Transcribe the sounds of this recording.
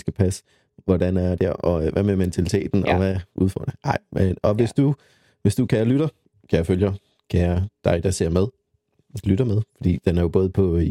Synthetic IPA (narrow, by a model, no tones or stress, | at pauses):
sɡ̥æpʰæs | ʋɒdænæɐd̥æɐʔɒ̽ʋʔæmement͡sʰælit͡sʰe̝̰ːd̥n̩ɒ̽ʋæʔuð̞ˠfɒ̰ːd̥ɑɑ̈ɪ̰meɒ̽ʋe̝sd̥u | ʋe̝sd̥ukʰæjɐlyɾ̥ɐ | kʰæjaføljɐ | kʰæjɐd̥ɑ̈ɪd̥ɑ̈se̝ɐ̰með̞ˠ | lyɾ̥ɐmeð̞ˠfɒ̽d̥ḭːd̥enæɐjo̝b̥ɔ̽ːð̩ˠpʰɒ̽